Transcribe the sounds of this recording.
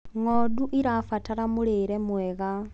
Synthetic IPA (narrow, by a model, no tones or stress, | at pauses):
ŋoduʔiɾafataɾamuleɾemweɣa